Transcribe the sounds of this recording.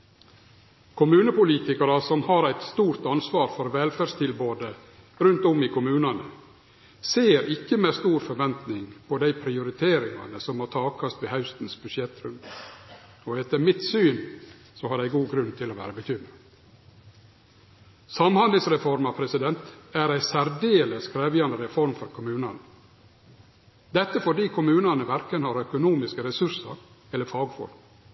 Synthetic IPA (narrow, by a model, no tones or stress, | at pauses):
kʰʊmʉːnəpʊliːt̪ɪkɑɾɑsɔmhɑːɾæɪt̪st̪uːɾt̪ɑnsʋɑːɾfɔɾʋɛlfæɾʂt̪ʰɪlboːd̪ə | ɾʉnt̪ɔmiːkʰʊmʉːnɑnə | seːɾɪkːəmest̪uːɾfɔɾʋɛnt̪nɪŋpʰɔd̪æɪpʰɾɪʊɾɪt̪ʰeːɾɪŋɑ̰nəsɔmhɑːt̪ʰɑːkʰɑst̪ʋehɑʉst̪n̩sbʉʃjɛt̪ɾʉnd̪ | oːɛt̪əɾmɪt̪syːn | sɔhɑɖæɪɡuːɡɾʉnt̪ʰɪlɔːʋæ̰ːɾəbət̪ʰʏd̪mə | sɑmhɑnd̪lɪŋsɾɛfɔɾmɑpʰɾɛsɪd̪ɛnt̪æɾæɪsæɾd̪eːləskʰɾæːʋjɑnd̪əɾɛfɔɾmfɔɾkʰʊmʉːnɑ̰nə | d̪ɛt̪ːəfɔɖiːkʰʊmʉːnɑnəʋæɾkənhɑːɾœkʊnuːmɪskəɾɛsʉɾsɑ̰ɾ | ɛlːəɾfɑːɡfɔ̰ɾm